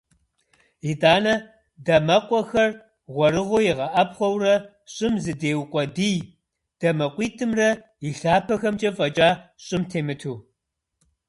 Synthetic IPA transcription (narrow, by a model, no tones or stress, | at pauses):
idaːnɐ | dɐmɐqʷʼɔxɐr | ʁʷɔɾɨʁʷʊjɪʁɐʔɐpχʷɔwrɐ | ɕʼɪmzɨdeːwqʷʼɔdiːj | d̥ɐmɐqʷʼiːtʰʼɨmrɐ | iɬaːpʰɐxɐmt͡ʃʼɐfʼɐt͡ʃʼaːɕʼɪmtʰeːmɨtʰuː